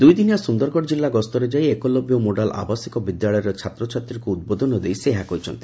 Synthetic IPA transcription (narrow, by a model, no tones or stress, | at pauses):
d̪ujd̪injasund̪ɔɾkɔɽd͡ʒilːaɡɔst̪ɔɾed͡ʒaijekɔlɔbjomoɖala̰basikɔbid̪jaɭɔjɔɾɔt͡ʃʰat̪ɾɔt͡ʃʰat̪ɾikuud̪̚bod̪ʱɔnɔd̪ejseɦakɔɾit͡ʃʰɔnt̪i̥